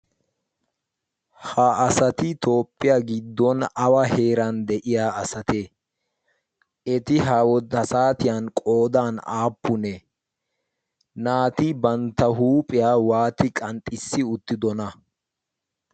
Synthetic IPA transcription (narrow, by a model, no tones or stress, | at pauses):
haːsɐt̪ɪt̪o̞ːpʼːɪjaɡɪd̪ːɔnɐwɐhe̞ːɾɐnd̪ɛʔɪjaːɐsɐt̪e | ʔɛt̪ɪɦaːwɔd̪ɐsaːt̪ɪjankʼo̞ːd̪aːna̰ːpːʊnɛ | naːt̪ɪbɐnt̪ːɐɦuːpʼɪjaːwaːt̪ɪkʼɐnt̪ʼːɪsːɪʊt̪ːɪd̪ɔnɐ